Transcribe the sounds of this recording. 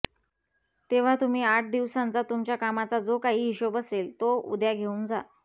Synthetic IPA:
t̪eʋ̤at̪um̤iːaʈ̚ʰd̪iʋsãnt͡sat̪umt͡ɕjakamat͡sad͡zokaɦiːiɕobəselt̪oṵd̪jaɡʱeũːnd͡za

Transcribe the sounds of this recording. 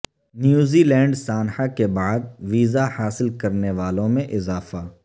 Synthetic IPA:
njuːziːlɛ̃ːɳɖsaːnhakebaːd̪̚ʋiːzahaːsɪlkɐɾneʋaːlõmẽʔɪzaːfaː

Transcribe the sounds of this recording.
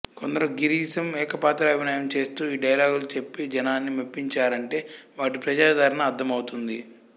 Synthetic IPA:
ko̞nd̪ɐɾɐmɡiɾiːsɐmɛːkɐpaːt̪ɾɐɐbʱinaːjɐmt͡ʃe̞ːst̪uːiːɖɐjɐlaːɡulut͡ʃe̞pːid͡ʒɐnaːnːimepːiɲt͡ʃaːɾɐɳʈe̞ːʋaːʈipɾɐd͡ʒaːd̪ʱɐɾɐnɐːd̪ʱːɐmɐwut̪und̪i

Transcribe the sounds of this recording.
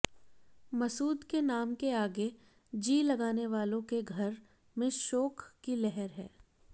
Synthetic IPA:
mɐsuːd̪kenaːmkeaːɡe | d͡ʒiːlɐɡaːneʋaːlõkeɡʱɐɾ | mẽʃɔːkːilɛɦɛɾɦɛː

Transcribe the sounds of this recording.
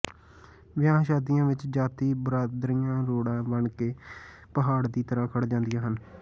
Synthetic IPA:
ʋɪjãːʃaːd̪ɪjãːʋɪt͡ʃd͡ʒaːt̪iːbəɾaːd̪ɾijãːɾoːɽãːbəɳkeː | pəɦaːɽd̪iːt̪əɾãːkʰəɽd͡ʒãːnd̪ijãːɦən

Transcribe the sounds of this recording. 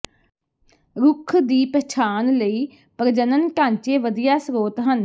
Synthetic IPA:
ɾʊkʰd̪iːpəːt͡ʃʰaːnləiː | pəɾd͡ʒənənkãːɲt͡ʃeːʋəd̪ijaːsɾoːt̪ɦən

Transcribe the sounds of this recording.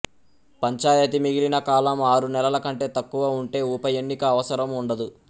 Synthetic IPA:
pɐɲt͡ʃaːjɐt̪̬imiɡilinɐkaːlɐmaːɾunɛlɐlɐkɐɳʈe̞ːt̪ɐkːuʋɐuɳʈe̞ːupɐjenːikɐːʋɐsɐɾɐmuɳɖɐd̪u

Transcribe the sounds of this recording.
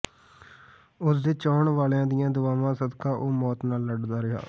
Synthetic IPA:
ʊsd̪eːt͡ʃɔːɳʋaːljãːd̪ɪjãːd̪ʊʋaːʋãːsəd̪kãːʔoːmɔːt̪naːlːəɖd̪aːɾɪɦa̰ː

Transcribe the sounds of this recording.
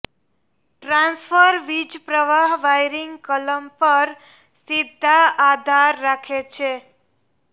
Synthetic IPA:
ʈɾãnsfʰəɾʋid͡ʒpɾəʋaɦʋajɾiŋɡkələmpəɾ | sid̪ʱːaad̪ʱaɾːakʰet͡ʃʰe

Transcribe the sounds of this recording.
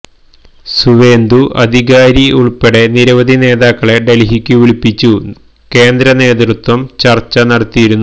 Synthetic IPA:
suʋe̞ːnd̪uʔɐ̰d̪ʱiɣaːɾiuɭpeɽe̞niɾɐʋɐd̪ʱine̞ːðaːkːɐɭe̞ɖelɦikʲːuʋiɭipːit͡ɕːu | ke̞ːnd̪ɾɐne̞ːd̪rut̪wɐmt͡ɕɐrt͡ɕːɐnɐɽɐt̪ːijiɾunːu

